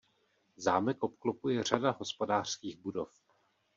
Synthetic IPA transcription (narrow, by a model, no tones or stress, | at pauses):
zaːmɛkʔopklopujɛr̝adaɦo̞spo̞daːr̥skiːɣbudo̞f